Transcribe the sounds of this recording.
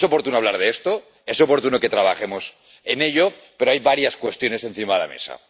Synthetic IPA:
so̞po̞ɾt̪unoaβlaɾð̞eest̪o | eso̞po̞ɾt̪unoke̞t̪ɾaβ̞aχe̞mo̞s | ene̞ʎope̞ɾoajβaɾjaskwe̞st̪jo̞ne̞se̞nθimaðela̰me̞̰sa̰

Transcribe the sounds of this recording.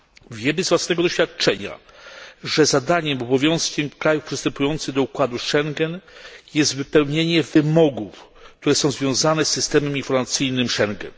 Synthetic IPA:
vʲjɛmɘzvwasnɛɡɔd̪ɔɕfʲat̪̚t͡ʂɛɲa̰ | ʐɛzad̪aɲɛmɔbɔvʲjɔ̃skʲɛmkɾajufpʂɨst̪ɛmpujɔnt̪sɘɣd̪ɔukwad̪uʂɛŋɡɛnjɛst̪vɘpɛwɲeɲɛvɘmɔɡufk̚t̪uɾɛsɔ̃w̃zvʲjɔ̃w̃zanɛsːɘst̪ɛmɛminfɔɾmat̪sɘjnɘmʂɛŋɡɛ̰n

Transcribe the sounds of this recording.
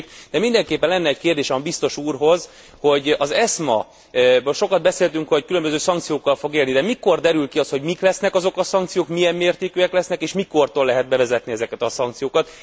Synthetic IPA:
kd̪ɛmind̪ɛŋkeːpːɛnlɛnːɛːckeːrd̪eːʃɛmbist̪o̞ʃuːrɦo̞z | ho̞ɟɒzɛsmɒ̰ | bøːlʃo̞kɒd̪bɛseːlt̪yŋkho̞ckylømbøzøːsɒŋkt̪sijoːkːɒlfo̞ɡeːlnid̪ɛmiko̞rd̪ɛɾylkiɒst̪ho̞ɟmiklɛsnɛkɒzo̞kɒsɒŋk̚t̪sijoːkmijɛmːeːrt̪eːkøːɛklɛsnɛkeːʃmiko̞rt̪oːlːɛɦɛd̪̚bɛvɛzɛt̪niɛzɛkɛt̪ɒsɒŋkt̪sijoːkɒt̪

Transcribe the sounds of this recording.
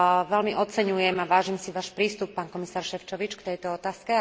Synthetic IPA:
ʋɛlmiʔɔt͡sɛɲujɛmaʋaːʒiːmsiʋaːʃpɾiːst̪upːaːnkɔmisaːɾʃɛft͡ʃɔʋit͡ʃkt̪ɛjt̪ɔɔt̪aːskɛ

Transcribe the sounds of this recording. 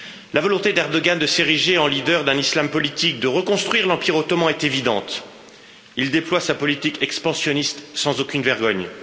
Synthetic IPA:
lavɔlɔ̃t̪ed̪ɛʁd̪ɔɡand̪əseʁiʒeɑ̃lid̪œʁd̪ɛ̃nislampɔlit̪ik̚d̪əʁəkɔ̃st̪χɥiʁlɑ̃piʁot̪ɔmɑ̃ɛt̪evid̪ɑ̰̃t̪ | ild̪eplwasapɔlit̪ikɛkspɑ̃sjɔnist̪sɑ̃zokʲynvɛʁɡɔɲ

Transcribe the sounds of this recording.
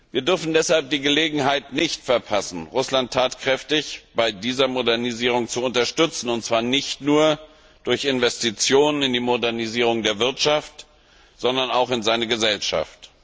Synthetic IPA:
viːɐdʏɐfn̩dɛshalp̚d̥iːɡəleːɡŋ̩ɦaɪtnɪçtfɛɐpʰasn̩ʁʊslantʰːaːtkʁ̥ɛftɪçb̥aɪdiːzɐmodɛɐniziːʁ̞ʊŋt͡suʊntɐʃtʏt͡sn̩ʊntt͡sv̥aːɐnɪçtnuːɐ | d̥ʊɐçɪnvɛstit͡sjoːnənɪndiːmodɛɐniziːʁʊŋdeːɐvɪɐtʃaft | z̥ɔndɐnaʊxɪnzaɪnəɡəzɛlʃa̰ft

